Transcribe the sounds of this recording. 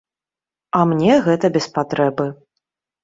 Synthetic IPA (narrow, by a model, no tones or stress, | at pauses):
ɐmnʲɛɣɛt̪ɐbʲɛspat̪ɾɛbɨ